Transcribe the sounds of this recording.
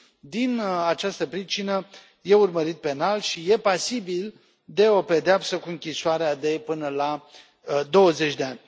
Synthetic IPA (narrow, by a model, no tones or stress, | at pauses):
d̪inat͡ʃast̪əpɾit͡ʃinə | je̞urməɾit̪̚pe̞nalʃije̞pasibil | d̪e̞o̞pe̞d̪eapsəkuɨŋkʲisoaɾead̪e̞pɨnəla | d̪o̞wəze̞t͡ʃʲd̪e̞anʲ